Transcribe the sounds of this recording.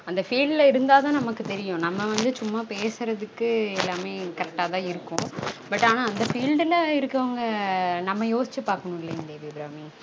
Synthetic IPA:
ɐnd̪ɐfiːɖlɐɪɾɯnd̪aːðãːnɐmɐkːɯt̪ɛɾɪjʊ̃nɐmːɐʋɐnd̪ɯt͡ʃʊmːaːpeːsɯɾɐðɯkːɯɛlːaːmeːkɐɾɛk̚ʈaːt̪ãːɪɾɯkːʊ̃bɐʈːaːnaːɐnd̪ɐfiːlɖɪlɐɪɾɯkːɐʋɐŋɡɐnɐmːɐjoːsɪt͡ʃːɯpːaːɾkɐɳʊ̃ɪlːɐnd̪eːʋiːbɾaːmi

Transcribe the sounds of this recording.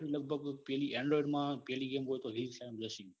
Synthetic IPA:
ɾilək̚bʱəɡpɛliɛɳɖɾɔjiɖmãpɛliɡemɦojt̪oɦizsamd͡ʒəʃĩ

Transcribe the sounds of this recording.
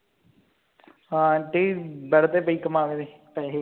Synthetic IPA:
ãʈiːbɛɽt̪eːp̬əiːkəmaːʋeːd̪eː | pɛːɦe

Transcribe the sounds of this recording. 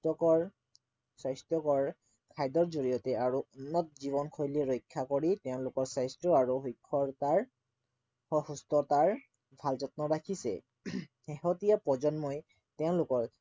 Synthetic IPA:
tɔkɔɹ | sajstɔkɔɹ | kʰajdɔɹzoɹijɔtɛaɹuɔnːɔt̚ziβɔnkʰojliɹɔjkʰːakoɹitɛʊ̃lʊkɔɹsajstɹɔaɹuɦojkʰːɔɹtaɹ | hustɔtaɹ | bʱalzɔt̚nɔɹakʰisɛ̰ | xeɦɔtijapɔzɔnmɔj | tɛʊ̃lʊkɔɹ

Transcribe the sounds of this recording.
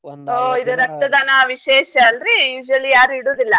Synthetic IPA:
oːid̪uɾɐk̚t̪ːɐd̪ɐnɐʋiʃeːʃɐːlɾijuːd͡ʒuɐlːijaːɾuiɽoːd̪ilːɐ

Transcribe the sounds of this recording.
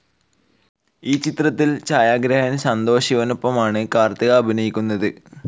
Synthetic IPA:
iːt͡ɕit̪rɐt̪ːilt͡ɕaːjaːɡɾɐɦɐnsɐnd̪o̞ːɕiʋɐnopːɐmaːɳɨkaːrt̪ɐɣɐːbʱinɐjikʲːunːɐðɨ

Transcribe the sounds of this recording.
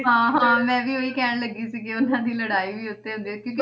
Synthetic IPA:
ɦãːɦãːmɛ̃ːʋiːoːiːkɛːɳ̃ləɡiːsiːkeʊnãːd̪iːləɽaːiːʋiːʊt̪ːeːɦʊ̃nd̪ekjõːk

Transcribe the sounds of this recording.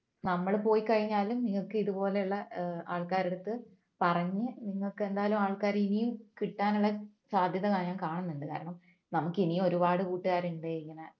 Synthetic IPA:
nɐmːɐɭpo̞ːjikɐɻiɲːaːlumniŋːɐɭkɨiðupo̞ːle̞uɭːɐaːɭkaːɾe̞ɽut̪ːɨ | pɐrɐɲːɨniŋːɐɭkːɨe̞nd̪aːlumaːɭkaːɾinijumkiʈːaːnuɭːɐsaːd̪ʱjɐðɐɣaːɲaːnkaːɳɐnːuɳɖɨka̰ːɾɐɳɐm | nɐmukːinijumo̞ɾubaːɽɨkuːʈːɨɣaːɾuɳɖeiŋːɐnɐ

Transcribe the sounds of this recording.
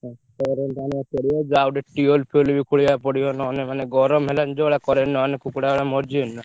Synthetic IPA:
at̪ɔɾent̪aniat̪ɔɽijad͡ʒawɖeʈiolpʰelbikuɭiapɔɽijɔnɔnemaneɡɔɾɔmɦeland͡ʒɔɭakɔɾenːɔnekukɽaɽamɔɾd͡ʒiɔnːa

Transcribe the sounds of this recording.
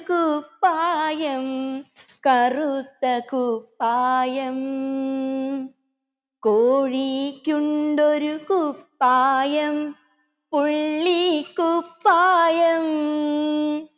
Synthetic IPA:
kupːaːjɐmkɐrɯt̪ːɐkʊpːaːjɐm | koːɻikʊɳɖɔɾɯkʊpːaːjɐm | pʊɭːikʊpːaːjɐm

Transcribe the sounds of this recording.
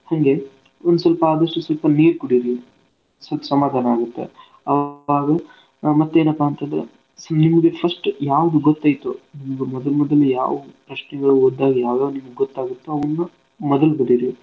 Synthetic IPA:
hɐŋɡe̞ | ond̪us̬ɐlpɐaːd̪ɐʂʈusɐlpɐneːɾkuɽiɾi | sɐlpɐ̥sɐmaːd̪ʱaːnɐaːɡut̪ːḛ | ɐʋaːɡɐ | mɐt̪ːue̞ːnɐpːaːnt̪ɐnd̪ɾḛ | nimɐɡe̞pʰɐsʈjaːʋɐd̪uɡɔt̪ːaːjt̪unimɡɐmɔd̪ɐlmɔd̪ɐlːuja̰ːʋɐpɾɐʃnɛɡɐɭuod̪ːaːɡijaːʋjaːʋnimɐɡeɡɔt̪ːaːɡut̪ːuɐʋɐnːu | mɔd̪ɐlubɐɽiɾi

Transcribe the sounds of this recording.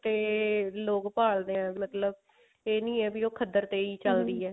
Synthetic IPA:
t̪eːloːkpaːld̪eːɛ̃ːmət̪ləb̚ | eːnĩːɛːbioːkʰəd̪əɾt̪eːiːt͡ʃəld̪iːɛː

